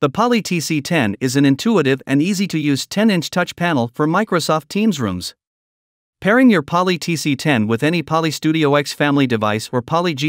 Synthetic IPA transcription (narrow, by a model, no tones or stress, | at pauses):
ðəpʰɑlˠitʰisitʰɛ̃nɪzɨ̃n̩ɨ̃ntʰuəɾɪvɨ̃niziɾɨjʉz̥tʰɛ̃nɪ̃nt͡ʃtʰʌt͡ʃpʰænl̩ˠfə˞maɪkɹoʊsɔftʰĩmzɹṵ̃mz̥ | pʰɛɹɪ̃ŋjə˞pʰɑlˠitʰisitʰɛ̃nwɪðɛñipʰɑlˠistʉɾioʊɛksfæ̃mlidɨvaɪsə˞pʰɑlˠid͡ʒi